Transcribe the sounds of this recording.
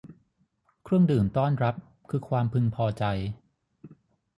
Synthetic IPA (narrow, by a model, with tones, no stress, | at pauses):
kʰɾɯ˥˩əŋdɯː˨˩nt̪ɔː˥˩nɾa˦˥p̚ | kʰɯː˧kʰwaː˧mpʰɯ˧ŋpʰɔː˧t͡ɕa˧j